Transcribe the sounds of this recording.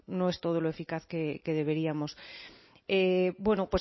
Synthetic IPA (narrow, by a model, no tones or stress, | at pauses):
no̞e̞st̪o̞ð̞oloe̞fikaθkeke̞ðe̞β̞e̞ɾiamo̞s | ebwe̞nopwe̞